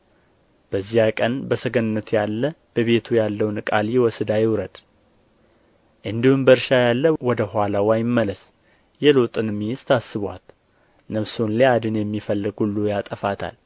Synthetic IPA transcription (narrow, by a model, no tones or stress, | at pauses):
b̥əzːihakʼənbəsəɡənɨnːət̪ʰjalːəb̥əβe̞t̪ʰujalːəwnkʼalwɔsɨd̪ajɪwɾəd̪ | ʔɨnd̪ihumbəɾʃajalːəwɔd̪əɦʷwalawajɪmːələs | jɛlot̪ʼɨnɨmːijɪst̪ʰasːɨβwa̰t̪ | nəβsonlead̪ɨnjɛmːifəlːɨɡhulːujat̪ʼəfat̪ʰa̰l